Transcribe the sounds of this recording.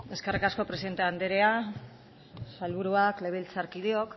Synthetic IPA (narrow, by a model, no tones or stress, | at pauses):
e̞ske̞rikasko̞pɾe̞siðe̞nt̪eand̪eɾea | salβuɾuakle̞β̞ilt͡saɾkiðeo̞k